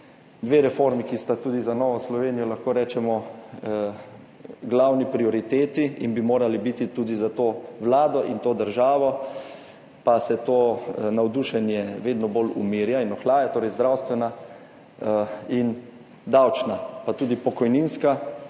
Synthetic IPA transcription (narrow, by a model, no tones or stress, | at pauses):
d̪ʋeːɾɛfoɾmikist̪at̪uːd̪izanɔːʋɔslɔʋeːnijɔlaxkoːɾɛːt͡ʃɛmɔ | ɡlawnipɾiɔɾit̪eːt̪iinbimoːɾalibit̪it̪uːd̪izat̪oːʋlaːd̪ɔʔint̪oːd̪əɾʒaːʋɔ | pasɛt̪oːnawd̪uʃɛnjɛʋeːd̪nɔbolṵmiːɾjainɔxlaːjat̪oːɾɛjzd̪ɾawst̪ʋɛna | in | d̪awt͡ʃnapat̪uːd̪ipɔkɔjninska